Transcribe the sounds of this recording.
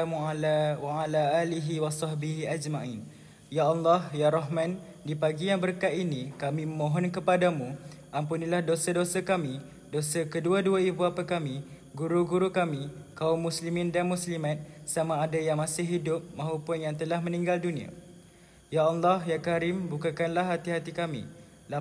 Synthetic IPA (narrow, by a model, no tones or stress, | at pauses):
amualawaalaʔaliɦiwasɑhbiɦiad͡ʒmaʔin | jaɑlːɑhjaɾɔɦmãn | dipaɡijaŋbəɾkat̪inikamĩməmõɦɔnkəpadamũ | ʔampunilahdosadosakami | dosakəduaduaibuapakami | ɡuɾuɡuɾukamikaumːũslimĩndanmũslimãt̪̚samãːdajaŋmasɪɦːidʊp̚mãɦupʊnjaŋt̪əlahmə̃nĩŋɡaldunĩa̰ | jaɑlːɔɦjakaɾɪmbukakanlaɦat̪iɦat̪ikamḭ | la